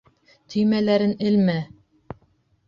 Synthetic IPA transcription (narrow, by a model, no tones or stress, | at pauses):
t̪ʰɵ̆jmælæɾɘnɘ̆lmæ